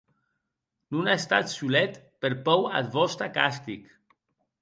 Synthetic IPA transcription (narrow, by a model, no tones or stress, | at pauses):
nunaest̪a̰t̪sulɛt̪ | peɾpɔwa̰t̪βɔst̪aka̰st̪ik